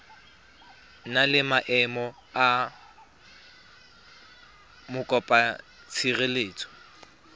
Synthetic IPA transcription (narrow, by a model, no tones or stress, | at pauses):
nalɪmaʔɛmɔ | a | mʊkʼɔpʼa | t͡sʰireleːt͡sʰʼɔ̥